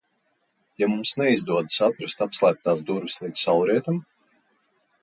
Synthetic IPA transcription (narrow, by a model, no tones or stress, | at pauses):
jamumsnɛizd̪uɔd̪ɨsat̪ɾast̪apslˠæːp̚t̪ːaːz̬d̪uɾvislˠiːd̪ssawɾiɛt̪am